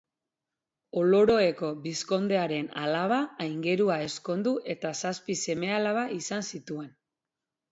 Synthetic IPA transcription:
o̞lo̞ɾo̞e̞ko̞bisko̞nd̪e̞aɾe̞nalaβ̞aːjŋɡe̞ɾuae̞sko̞nd̪uʔe̞t̪asaspise̞me̞alaβaʔisansit̪ue̞n

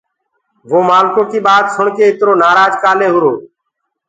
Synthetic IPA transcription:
ʋoːmaːlkõːkiːɓaːd̪sʊɳkeːɪt̪ɾoːnaːɾaːd͡ʒkaːleːɦʊɾoː

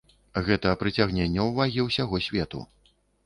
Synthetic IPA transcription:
ɣɛt̪ɐːpɾɨt͡sʲaɣnʲɛnʲːɐwvaɣʲiwsʲaɣɔsʲvʲɛt̪ṵ

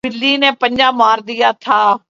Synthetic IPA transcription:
ɪlːiːneːpəɲd͡ʒãːmaːɾd̪ijaːt̪ʰaː

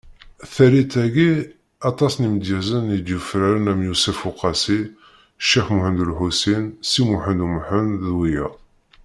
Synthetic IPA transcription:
θæɾit̪æɡi | ɑt̪ˤɑsniməd̪jæzənid̪jufɾæɾənæmjusæfuqɑsi | ʃːixmʊħənd̪ulħusinsimuħənd̪umħənðwijæ̰

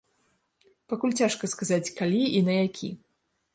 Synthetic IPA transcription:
pakulʲt͡sʲaʂkɐskazat͡sʲkalʲiinɐjakʲʰḭ

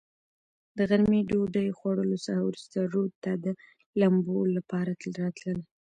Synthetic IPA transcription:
d̪̥əɣaɾmiɖoɖəjxwaɽəlosaɾawɾust̪aɾod̪̚t̪ad̪ə | lambollːapɑɾat̪ɾɑt̪ləl

